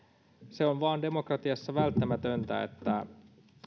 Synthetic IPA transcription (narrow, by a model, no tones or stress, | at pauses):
se̞onʋɑːnde̞mokrɑt̪iɑsːɑʋælt̪ːæmæt̪ønt̪æ̰ḛt̪ːæ